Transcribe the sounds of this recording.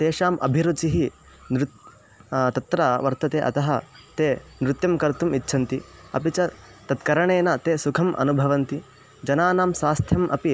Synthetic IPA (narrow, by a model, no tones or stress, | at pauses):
t̪eːʃaːmʔɐ̰bʱiɾut͡ʃiɦi | nɾut̪ | t̪ɐt̪ɾaʋɐɾt̪ɐt̪eːʔɐ̰t̪ɐɦɐ̆ | t̪eːnɾut̪jɐmkɐɾt̪umitːʃʰɐnt̪iɐ̰pit͡ʃɐ | t̪ɐt̪kɐɾɐɳeːnɐt̪eːsukʰɐmʔɐ̰nubʱɐʋɐnt̪i | d͡ʒɐnaːnaːmsaːst̪ʰjɐmʔɐ̰pi